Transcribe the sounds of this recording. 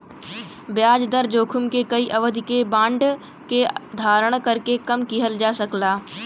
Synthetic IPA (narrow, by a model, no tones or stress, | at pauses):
bjaːd͡ʒd̪əɾd͡ʒoːkʰʊmkekəiʔɐʋəd̪ʱɪkebãːɳɖ | ked̪ʱaːɾəɽ̃kɐɾkekɐmkɪɦəld͡ʒaːsəklaː